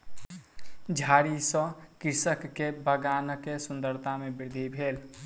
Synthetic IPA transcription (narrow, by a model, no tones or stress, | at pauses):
d͡ʒʱaːɾisə̃kɪɾsəkːebəɡaːnəkesʊnd̪əɾt̪amẽbɪɾd̪ʱibʱeːl